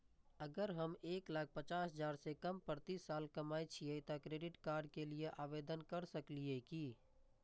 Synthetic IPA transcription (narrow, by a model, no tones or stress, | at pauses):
əɡəɾɦəmeːklaːk̚ʰpət͡ʃaːsɦəd͡ʒaːɾsekəmpəɾt̪isːaːlkɐmaːit͡ʃʰiet̪akɾeːɖɪʈkaːɾɖkelieʔaːʋeːd̪ənkəɾsəklieki